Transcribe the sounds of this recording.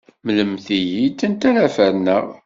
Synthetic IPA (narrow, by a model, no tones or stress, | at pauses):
mləmθijit̪ːənt̪æɾæfəɾnə̰ʁ